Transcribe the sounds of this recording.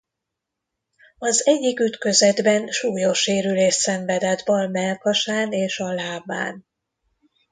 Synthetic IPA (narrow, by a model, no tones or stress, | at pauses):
ɒzɛɟːikyt̪kø̞zɛd̪bɛnʃuːjo̞ʃeːɾyleːʃsɛɱvɛd̪ɛd̪bɒlmɛlkɒʃaːneːʃɒlaːba̰ːn